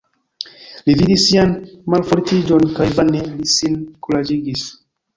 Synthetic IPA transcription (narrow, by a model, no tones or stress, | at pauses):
lividisianmalfoɾtid͡ʒonkajvanelisinkulad͡ʒiɡis